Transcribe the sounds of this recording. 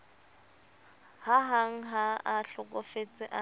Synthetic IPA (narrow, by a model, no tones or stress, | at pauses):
haɦaŋ̩ɦaaɬʊkʼʊfet͡sʼɪʔa